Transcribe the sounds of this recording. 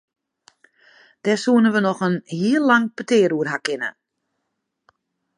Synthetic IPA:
d̥ɛsuənəʋənɔxənhiəlːaŋpətɪːɾuərɦakɪnə̰

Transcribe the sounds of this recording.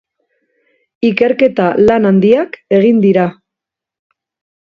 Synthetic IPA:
ike̞ɾke̞t̪alanand̪iake̞ɣ̞ind̪iɾa

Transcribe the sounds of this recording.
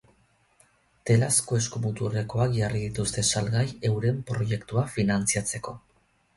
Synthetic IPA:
t̪e̞lasko̞e̞skumut̪uɾeko̞akʝariðit̪ust̪e̞salɣaje̞wɾe̞mpɾo̞je̞kt̪uafinant͡siat͡se̞ko̞

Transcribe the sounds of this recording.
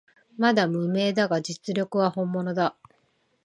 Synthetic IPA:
mad̪amɯ̟me̞ːd̪aɡad͡ʑit͡sɨɾʲo̞kɯ̟βahõ̞mːo̞no̞d̪a

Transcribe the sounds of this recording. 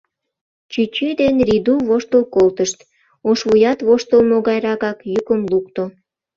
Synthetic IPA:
t͡ɕyt͡ɕyd̪enrid̪uβoʃt̪əlkolt̪əʃt̪ | oʃβujɑt̪βoʃt̪əlmoɣɑjɾɑkɑkjukəmlukt̪o

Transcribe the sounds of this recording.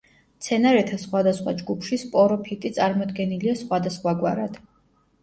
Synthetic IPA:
t̪sʰɛnaɾɛt̪ʰasχwad̪asχwa̰d͡ʒɡupʰʃispʼɔɾɔpʰit̪ʼit̪sʼaɾmɔd̪ɡɛniliasχwad̪asχwaɡwaɾad̪̥

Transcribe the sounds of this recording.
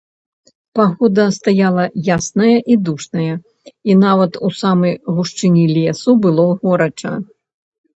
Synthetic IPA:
paɣɔd̪ɐst̪ajalˠɐjasnɐjɐʔid̪uʂnɐjɐ | inavɐt̪usamɐjɣuʂt͡ʂɨnʲilʲɛsubɨlˠɔɣɔɾɐt͡ʂɐ̰

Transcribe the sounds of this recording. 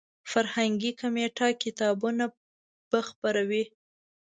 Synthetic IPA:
faɾhaŋɡikomeʈɑkɪt̪ɑbuna | b̥əxpaɾawi

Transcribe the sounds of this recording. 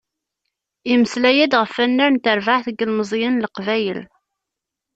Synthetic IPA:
iməslæjæd̪ʁəfːænːæɾnt̪əɾvaʕθəɡəlməzˤjənləqvæjə̰l

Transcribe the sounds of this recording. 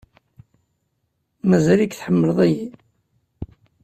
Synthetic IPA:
mæzælikθħəmːələðˤæji

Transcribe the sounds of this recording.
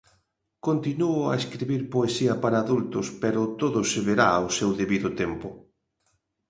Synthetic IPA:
kont̪inuʊa̰eskɾiβiɾpoesiɐpaɾaːðult̪ʊspeɾʊt̪oðʊseβeɾaawsewðeβiðʊt̪ɛmpʊ

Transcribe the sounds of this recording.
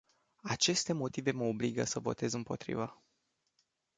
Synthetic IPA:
at͡ʃe̞st̪e̞mo̞t̪ive̞məobliɡəsəvo̞̰t̪e̞zɨmpo̞̰t̪ɾḭvə

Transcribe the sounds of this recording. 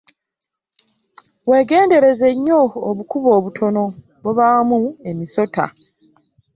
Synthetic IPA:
we̞ːɡe̞ːnde̞ɾe̞ze̞ɲːo̞ːβukuβo̞ːβutʰo̞no̞ | βoβamue̞miso̞ta̰

